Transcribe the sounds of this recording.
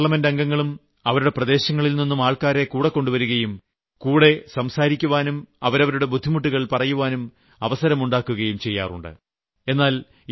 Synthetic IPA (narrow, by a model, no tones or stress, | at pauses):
ɭɐmendɐŋɡɐŋːɐɭum | ɐʋɐɾuɽe̞prɐd̪e̞ːɕɐŋːɐɭilninːumaːɭkaːɾe̞kuːɽɐkːo̞ɳɖuʋɐɾuɣɐjum | kuːɽe̞sɐmsaːɾikʲːuʋaːnumɐʋɐɾɐʋɐɾuɽe̞bud̪ʱːimuʈːuɣɐɭpɐrɐjuʋaːnum | ɐʋɐsɐɾɐmuɳɖaːkːuɣɐjumt͡ɕe̞jːaːrṵɳɖɨ̰ | e̞nːaːl